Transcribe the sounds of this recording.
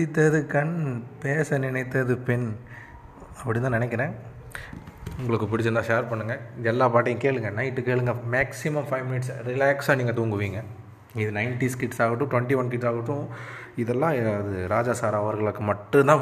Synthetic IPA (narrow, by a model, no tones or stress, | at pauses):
pɽɪt̪ːɐðɯkɐnpeːsɐnɪnɐɪt̪ːɐðɯpɛn | ɐpːɐɽɪnt̪ãːnɪnɛk̬ːɐɾɛ̃ː | ʊŋɡɐɭɯkːɯpɪɽɪt͡ʃːɐnãːʃeːɾpɐɳːɯŋɡɐɪðɛlːaːpaːʈ̬ːɐjkeːɭɯŋɡɐnɐɪʈːɯkeːɭɯŋɡɐmaːksɪmɐmfɐɪʋmɪnɪʈsɾɪlaːksaːniːŋɡɐt̪uːŋɡɯʋiːŋɡɐ | ɪðɯnɐɪnʈiskɪʈsaːɣɐʈːʊ̃ʈʋɐɳʈiʋɐnkɪʈsaːɣɐʈːʊ̃ | ɪðɛlːãːɐðɯɾaːd͡ʒaːsaːɾaːʋɐɾɣɐɭɯkːɯmɐʈːɯ̃t̪ãː